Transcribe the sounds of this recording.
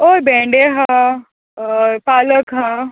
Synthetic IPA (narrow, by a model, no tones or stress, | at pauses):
obẽːɳɖeɦã | paːləkɦã